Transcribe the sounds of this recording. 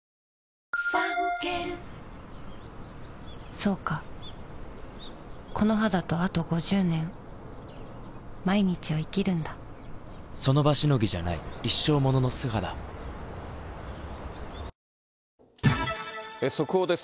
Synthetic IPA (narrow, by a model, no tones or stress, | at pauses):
akeɾ | so̞ːka | kʰo̞no̞ɦad̪at̪o̞at̪o̞ɡo̞ʑɨːnẽ̞ɴ | maiɲ̟it͡ɕiβaikʲiɾɯ̟̃nd̪a | so̞no̞baɕino̞ɡʲiʑanaiiɕːo̞ːmo̞no̞no̞sɨɦad̪a̰ | esokɯod̪es